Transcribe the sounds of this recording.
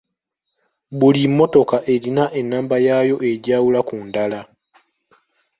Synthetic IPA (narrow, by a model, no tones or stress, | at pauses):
bulimːo̞to̞kaʔe̞ɾinaʔe̞nːaːmbajajo̞ʔe̞ɟaːwulakundala